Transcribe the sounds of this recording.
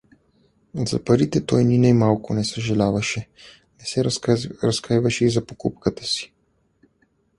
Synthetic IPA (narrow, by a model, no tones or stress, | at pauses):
za̰paɾit̪ɛt̪ojninajmawkɔnɛsɛʒɛlaːʋaʃɛ | nɛsɛɾaskajʋaʃiɣzapɔkupkat̪ɛ̥si̥